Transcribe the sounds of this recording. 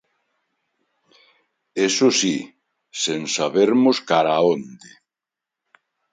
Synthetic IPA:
esʊsi | sensaβeɾmʊskaɾaond̪ɪ

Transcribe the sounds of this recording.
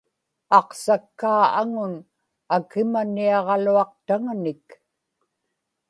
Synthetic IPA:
ɑqsakːaːaŋʊn | akɪmanːiɑʁɑluɑq̚t̪aŋnɪk

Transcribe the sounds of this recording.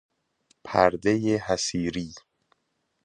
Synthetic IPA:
pʰæɾd̪ejehæsiːɾiː

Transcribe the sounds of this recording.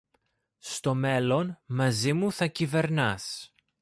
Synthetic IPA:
st̪o̞me̞lo̞nmɐzimuθɐcive̞ɾnɐs

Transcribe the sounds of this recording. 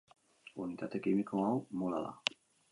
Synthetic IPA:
unit̪at̪ɛkimikowalmula̰la̰

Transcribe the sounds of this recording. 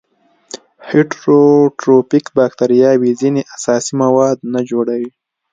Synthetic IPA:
heʈɾoʈɾopikbɑk̚t̪aɾijɑwizineʔasɑsimawɑd̪nad͡ʒoɽawi

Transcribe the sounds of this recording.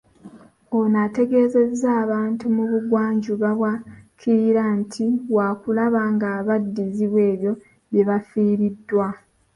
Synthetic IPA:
onate̞ɡe̞ze̞zaːβaːntumuβuɡwaːɲɟuβaβwakʰiɾantʰiwaːkulaβaŋɡaβadːiziβwe̞ːβjo̞ | βjeβafiːɾidːwa

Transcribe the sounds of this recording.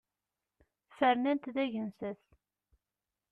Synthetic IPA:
fəɾnænt̪ðæʝənsəθ

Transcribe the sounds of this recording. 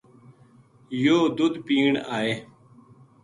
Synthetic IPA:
joːd̪ud̪piːɳaːeː

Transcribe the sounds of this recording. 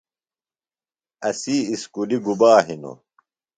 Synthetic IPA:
ɐsiːskuliɡubaːɦino̰

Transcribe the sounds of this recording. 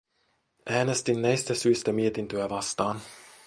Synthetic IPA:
ʔæːnest̪inːæjst̪æsyːst̪æmiet̪int̪øæʋɑst̪ɑːn

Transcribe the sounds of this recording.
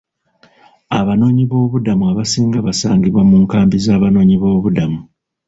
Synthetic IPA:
aβano̞ːɲiβo̞ːβudamuaβasiːŋɡaβasaːŋɡiβwamuːŋkaːmbizaːβano̞ːɲiβo̞ːβudamu

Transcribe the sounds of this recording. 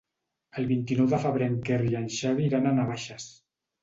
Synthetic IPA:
əlˠβint̪inɔwðəfəβɾɛŋkerianʃaβiːɾananaβaʃas

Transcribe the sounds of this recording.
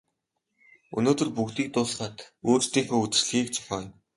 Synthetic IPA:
ɵ̰noːt̪ɵ̆rpuɣt̪iːk̚t̪ʊːɮχaːt̪oːt͡ɕt̪iːŋxoːut͡sɘ̆rɮxiːk̚t͡ɕʰɔ̥ɮaːjʊm

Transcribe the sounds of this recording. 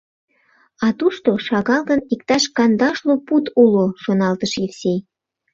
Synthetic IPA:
ɑt̪uʃt̪oʃɑɣɑlɣənikt̪ɑʃkɑnd̪ɑʃloput̪uloʃonɑlt̪əʃifsʲej

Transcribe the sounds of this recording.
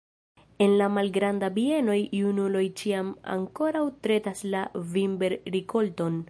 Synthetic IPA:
e̞nlamalɡɾandabie̞no̞jjunulo̞jt͡ʃiama̰ŋko̞ɾawtɾe̞taslavimbe̞ɾɾikʰo̞lto̞n

